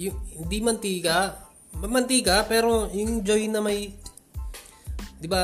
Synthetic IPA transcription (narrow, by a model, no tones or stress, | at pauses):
jʊŋhɪnd̪imɐnt̪iːkɐ | ɐmɐnt̪ikɐpɛːɾojʊŋd͡ʒojnɐmɐj | d̪ɪba